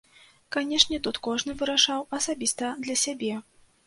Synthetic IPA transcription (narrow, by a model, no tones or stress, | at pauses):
kanʲɛʂnʲɛt̪ut̪kɔʐnɨvɨɾaʂawɐsabʲist̪ɐd̪lʲɐsʲabʲɛ